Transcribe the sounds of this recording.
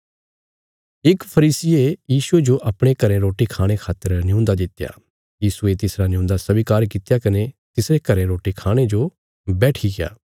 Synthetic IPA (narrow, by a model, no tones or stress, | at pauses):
ɪkpʰɐɾiːsɪejiːsued͡ʒoʔɐpɽ̃ekɐɾẽɾoːʈikʰaːɽ̃ekʰaːt̪ːəɾnɪjũːnd̪ad̪ɪt̪ːja̰ː | jiːsuet̪ɪsɾanɪjũːnd̪asɐbikaːɾkɪt̪ːjakɐnet̪ɪsɾekɐɾẽɾoːʈikʰaːɽ̃ed͡ʒo | bɛːʈʰiɡeja̰ː